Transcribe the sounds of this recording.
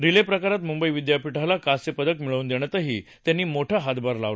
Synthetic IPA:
ɾilepɾəkaɾat̪mumbəiʋid̪japiʈʰalakasepəd̪əkmiɭəund̪eɽ̃jat̪əɦḭːt̪janːiːmoʈʰaɦat̪baɾla̰ʋ

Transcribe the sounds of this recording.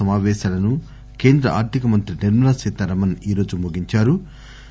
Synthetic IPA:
ɐmaːʋɛːʃaːlɐnu | ke̞ːnd̪ɾɐʔa̰ːɾt̪ʰikɐmɐnt̪ɾiniɾmɐnasiːt̪ɐɾɐmɐniːɾo̞ːd͡ʒumuɡiɲt͡ʃaːɾu

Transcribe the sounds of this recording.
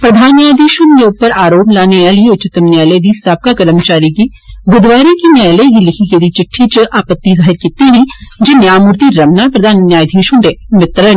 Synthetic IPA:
pɾɐd̪ʱaːnjaːjd̪ʱiːʃʊ̃nkeʊpːəɾaːɾoːplaːnealieʊtːt͡ʃɪt̪əmnjɛːled̪isab̚kakəɾəmt͡ʃaːɾiki | ɡʊd̪ʋaːɾikinɛːleɡilɪkʰiked̪it͡ʃɪʈʰːit͡ʃəʔaːpət̪ːizaːɦɪɾkiːt̪iɦĩd͡ʒenjaːmʊɾt̪iɾɐmnapɾɐd̪ʱaːnːjaːjd̪ʱiːʃũd̪eːmɪt̪ɾə

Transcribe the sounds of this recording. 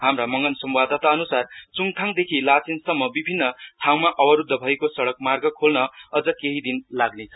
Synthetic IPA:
ɦamramʌŋɡʌnsʌmbad̪ʱʌt̪aʌnusart͡suŋt̪ʰaŋd̪ekʰilat͡sinsʌmːʌbibʱinːʌʈʰaw̃maʔʌbʌɾud̪ʱːʌbʱʌekosʌɽʌkmarɡʌkʰolnʌʌd͡zʌkeɦid̪inlaɡnet͡sʰʌ

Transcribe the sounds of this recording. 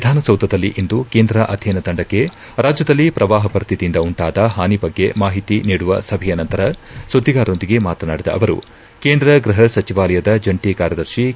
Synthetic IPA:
ʋid̪ʱaːnɐsɐwd̪ɐd̪ɐlːiʔind̪ukeːnd̪ɾɐʔɐd̪ʱjɐnɐt̪ɐɳɖɐkːe̞ | ɾaːd͡ʒjɐd̪ɐlːipɾʔɐʋaːɦɐpɐɾɐst̪ʰit̪ind̪ɐuɳʈaːd̪ɐɦaːnibɐɡːe̞̰maːɦit̪iniːɽuʋɐsɐbʱɛjɐnɐnt̪ɐɾɐsud̪ʱːiɡaːɾo̞nd̪iɡe̞maːt̪ɐna̰ːɽid̪ɐ̰ʔɐʋɐɾṵ | keːnd̪ɾɐɡɾiɦɐsɐt͡ʃiʋaːlɐjɐd̪ɐd͡ʒɐɳʈikaːɾjɐd̪ɐɾʃi

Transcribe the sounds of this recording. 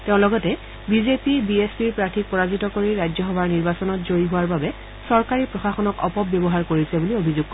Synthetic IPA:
teʊ̃lɔɡɔtɛ | bizepibiespiɹpɹatʰik̚pɔɹazitɔkoɹiɹajd͡ʒzɔxɔbʱaɹniɹbasɔnɔtzoɹiɦʊwaɹbabɛ | sɔɹkaɹipɹɔxaxɔnɔkɔ̰pɔbjɔbɔɦaɹkoɹisɛbuliobʱizuɡ̚kɔ

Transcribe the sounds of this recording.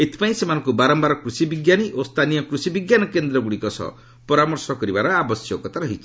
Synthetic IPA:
et̪ʰi̥paĩsemanɔ̃ŋkubaɾɔmbaɾɔkɾusibiɡjaniʔost̪ʰanijɔkɾusibiɡjanɔkend̪ɾɔɡuɽikɔsɔ̰ | pɔɾamɔɾsɔkɔɾibaɾɔabɔsjɔkɔt̪ʰaɾɔɦɔjt͡ʃʰi̥

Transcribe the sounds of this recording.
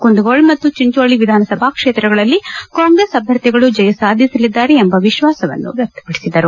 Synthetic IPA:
kund̪uɡoːɭmɐt̪ːut͡ʃiɲt͡ʃoːɭiʋid̪ʱaːnɐsɐbʱaːkʂeːt̪ɾɐɡɐɭɐlːikaːŋɡɾesɐbʱjɐɾt̪jɛɡɐɭud͡ʒɐjɐsaːd̪ʱisɐlid̪ːaːɾeembɐʋiʃʋaːsɐʋɐ̰nːṵʋjɐk̚t̪ɐ̥pɐɽisid̪ɐɾu

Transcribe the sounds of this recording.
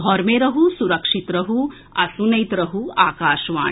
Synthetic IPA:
ɔːɾmeːɾɐɦusuɾɐkʂit̪ɾɐɦu | ɐ̰sunɐjt̪ɾɐɦua̰ːkaːʃʋa̰ːɳ

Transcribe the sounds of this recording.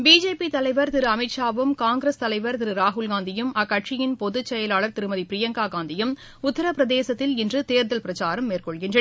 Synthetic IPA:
biːd͡ʒeːpit̪ɐlɐɪʋɐɾt̪ɪɾɯɐmɪʈʂaːʋɯmkaːŋɡɾɐst̪ɐlɐɪʋɐɾt̪ɪɾɯɾaːɦʊlɡaːnd̪ɪjɯmɐkːɐʈʂɪjɪnpɔðɯt͡ʃːɛjɐlaːɭɐɾt̪ɪɾɯmɐðipɾɪjɐŋɡaːɡaːnd̪ɪjɯm | ʊt̪ːɐɾɐpɪɾɐðeːsɐt̪ːɪlɪndrɯt̪eːɾðɐlpɪɾɐt͡ʃaːɾɐmːeːrkɔɭɣɪndrɐ

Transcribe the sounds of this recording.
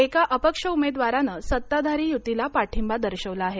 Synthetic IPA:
ekaʔəpəkʂəumed̪ʋaɾanəsət̪ːad̪ʱaɾiːjut̪ilapaʈʰimbad̪əɾɕəʋlaːɦe

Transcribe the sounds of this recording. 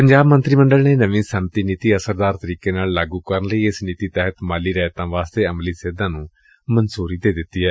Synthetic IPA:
pəɲd͡ʒaːbmənt̪ɾiːmə̃ɳɖəlneːnəʋĩːsənt̪iːniːt̪iːəsəɾd̪aːɾt̪əɾiːkeːnaːllaːɡuːkəɾnləiːɪsniːt̪iːt̪ɛːɦət̪maːliːɾɛːt̪ãːʋaːst̪eːəmliːseːd̪ãːnũː | mənsuːɾiːd̪eːd̪ɪt̪ːiːɦɛː

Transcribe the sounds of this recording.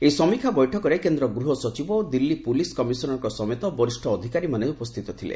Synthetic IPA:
ejsɔmikʰabɔjʈʰɔkɔɾekend̪ɾɔɡɾuɦɔsɔt͡ʃibɔod̪ilːipuliskɔmisɔnɔŋkɔsɔmet̪ɔbɔɾisʈʰɔːd̪ʱikaɾimaneupɔst̪ʰit̪ɔt̪ʰilḛ

